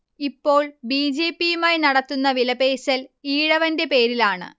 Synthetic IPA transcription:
ipːo̞ːɭbiːd͡ʑe̞ːpːijumaːjnɐɽɐt̪ːunːɐʋilɐbeːsɐliːɽɐʋɐnde̞pe̞ːɾilaːɳɨ̰

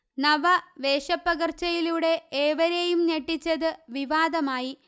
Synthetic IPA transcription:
nɐʋɐʋeːʂɐpːɐɣɐrt͡ɕːɐjiluɽe̞eːʋɐɾejumneʈːit͡ɕːɐðɨʋiʋaːd̪ɐmaːji

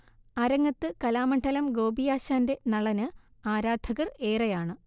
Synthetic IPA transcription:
aːɾɐŋːɐt̪ːɨkɐlaːmɐɳɖʰɐlɐmɡo̞ːbijaːɕaːnde̞nɐɭɐnɨ | aːɾaːd̪̥ʱɐɣɐre̞ːrɐjaːɳɨ

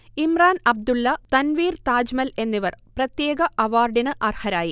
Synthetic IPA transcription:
imraːnɐb̚d̪ulːɐt̪ɐnʋiːrt̪aːd͡ʑmɐle̞nːiʋɐrprɐt̪jeːɡɐɐʋaːrɖinɨʔɐrhɐɾaːji

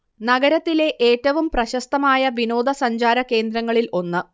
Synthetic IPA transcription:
nɐɡɐɾɐt̪ːile̞ʔeːtːɐʋumprɐɕɐst̪ɐmaːjɐʋino̞ːd̪ʱɐsɐɲd͡ʑaːɾɐke̞ːnd̪ɾɐŋːɐɭilʔo̞nːɨ

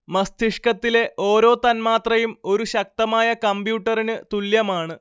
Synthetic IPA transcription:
mɐst̪ʰiʂkɐt̪ːile̞ʔʔo̞ːɾo̞ːt̪ɐnmaːt̪rɐjumo̞ɾuɕɐk̚t̪ɐmaːjɐkɐmbjuːʈːɐrinɨt̪uljɐmaːɳɨ

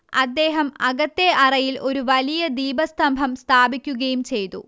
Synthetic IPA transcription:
ɐd̪ːe̞ːɦɐmɐɣɐt̪ːe̞ɐrɐjilʔo̞ɾuʋɐlijɐd̪iːbɐst̪ɐmbʱɐmst̪ʰaːbikʲːuɣɐjumt͡ɕe̞jt̪ṵ

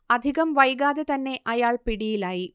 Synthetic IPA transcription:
ɐd̪ʱiɣɐmʋɐjɣaːðet̪ɐnːe̞ʔɐjaːɭpiɽijilaːji

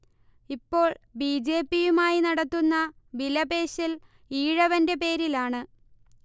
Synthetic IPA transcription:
ipːo̞ːɭbiːd͡ʑe̞ːpːijumaːjinɐɽɐt̪ːunːɐ | ʋilɐbe̞ːɕil | iːɻɐʋɐnde̞pe̞ːɾilaːɳɨ

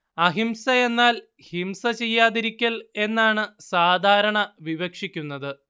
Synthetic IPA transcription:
ɐɦimsɐe̞nːaːl | himsɐt͡ɕe̞jːaːðiɾikʲːɐle̞nːaːɳɨsaːd̪ʱaːɾɐɳɐʋiʋɐkʂikʲːunːɐðɨ

